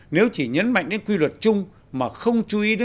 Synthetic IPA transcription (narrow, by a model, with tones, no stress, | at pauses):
ne˨˦wt͡ɕi˧˩ɲə˨˦nma̰˧˨ŋ̟ɗe˨˦nkwi˧lwə˨˩t̚t͡ɕʊ˧ŋ͡m | maː˨˩xə˧wŋ͡mt͡ɕu˧ʔi˨˦ɗe˨˦